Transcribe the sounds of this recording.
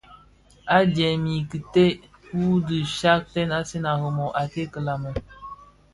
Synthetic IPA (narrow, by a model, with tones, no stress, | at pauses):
a˦d͡ʒɛ˨mi˨ki˨te˦ | ku˦di˨ʃa˦k̚tɛ˦na˦se˦na˨ɣə˨mɔ˨ʔa˨te˦kə˨la˨mɔ˨